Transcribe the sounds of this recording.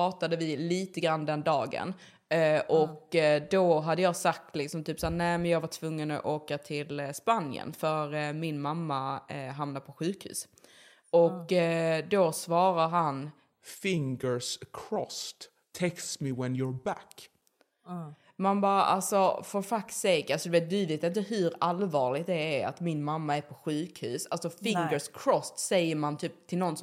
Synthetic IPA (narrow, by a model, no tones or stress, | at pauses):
ɑːt̪ad̪əvɪliːt̪əɡɾand̪ɛnd̪ɑːɡə̰n | ʔɔkd̪oɦad̪ːəjɑːɡsak̚t̪lɪksɔmt̪ʰyːpsaːɾnɛɪmɛnjɑːɡvaʈʰvɵŋːənɔ̰ʔoːkat̪ʰɪlspanjə̰nfœɾmɪnmamːaɦamnapʰɔɧʉ̟ːkhʉ̟̰ːs | ʔɔkːd̪ɔsvɑːɾaɾɦan | fɪŋɡəɹskʰɾɔst̪ʰː | eksmɪwɛnjɔɹbæk | manbɑːɾaʔa̰lsɔfɔɾfaksɛɡalsɔd̪ɛveːt̪̚d̪ʉveːt̪ɪnt̪əɦɵɾalvɑːɭɪɡt̪d̪ɛːɾa̰t̪mɪnmamːaæɾpʰɔɧʉ̟ːkhʉ̟̰ːsalsɔfɪŋɡəskʰɾɔst̪sɛjːəɾmant̪ʰyːp̚t̪ʰɪlnɔn